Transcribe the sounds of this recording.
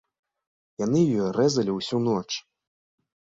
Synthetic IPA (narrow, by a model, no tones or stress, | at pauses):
jan̪ɨjɔrɛzɐlʲiwsʲunɔt͡ʂ